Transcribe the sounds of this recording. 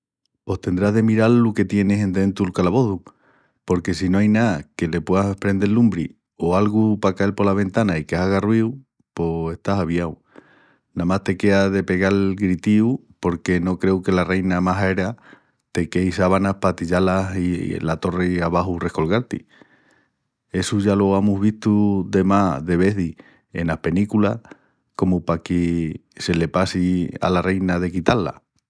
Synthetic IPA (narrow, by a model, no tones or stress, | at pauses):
po̞hst̪e̞nd̪ɾaðe̞miɾalːuke̞t̪je̞ne̞se̞nd̪ent̪ulkalaβo̞ðu | po̞ɾke̞sino̞ajnake̞le̞pwe̞asepɾe̞nd̪elːumbɾḭ | oalɣupakae̞lpo̞laβ̞e̞nt̪anaikesaɣarwiw | po̞e̞st̪asaβjaw | namast̪e̞ke̞aðe̞pe̞ɣalɣɾit̪iu | po̞ɾke̞no̞kɾe̞wke̞lare̞jnamaseɾa | t̪e̞ke̞jsaβanahpat̪iʎalasḭlat̪o̞reaβaɦure̞hko̞lɣaɾt̪ḭ | e̞suʝaloamuɦβiht̪ud̪e̞maðe̞β̞e̞ði | e̞̰nahpe̞nikula | ko̞mupakese̞le̞pasia̰lare̞jnaðe̞kit̪alːa̰